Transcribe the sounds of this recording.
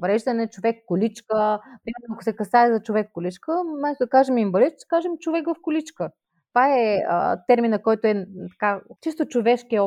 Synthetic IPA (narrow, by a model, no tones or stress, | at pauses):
vɾɛʒd̪ɐnɛt͡ʃovɛkːʊlit͡ʃkəpɾimɛɾnoɐkʊ̥sɛkɐsaɛzɐt͡ʃovɛkːʊlʲit͡ʃkəmɛst̪od̪ɐkaʒɛmimbɐlit͡ʃ̪kaʒɛmt͡ʃovɛkvɐfkʊlit͡ʃkə | t̪vaɛə̰t̪ɛɾminɐkɔjt̪oɛt̪ɐ̥kat͡ʃist̪ot͡ʃovɛʃkʲiɛɔ